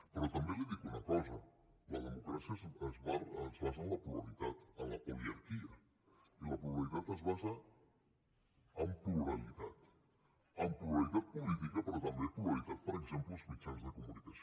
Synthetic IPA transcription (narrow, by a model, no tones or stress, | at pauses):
peɾɔt̪ambjenleðikunakɔza | laðemokɾasjaazβaazβazanlapualit̪at̪alapoliaɾkia | ilapuβalit̪at̪azβaza | mpluɾalit̪at̪ | amplualit̪at̪̚pulit̪ikapeɾɔt̪ambjeplualit̪at̪̚poɾeksẽmplozmit͡ʃanzðekumunikas